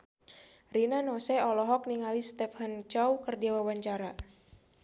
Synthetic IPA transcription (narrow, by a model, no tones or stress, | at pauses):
rinanɔsɛɔlɔɦɔk̚niŋalist̪ɛfhant͡ʃawkərdiawawaɲt͡ʃaɾa